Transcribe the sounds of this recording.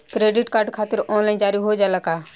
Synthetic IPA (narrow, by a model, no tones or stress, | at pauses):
kɾeːɖɪʈkaːɾɖkʰaːt̪ɪɾɔːnlaind͡ʒaːɾiɦod͡ʒalakaː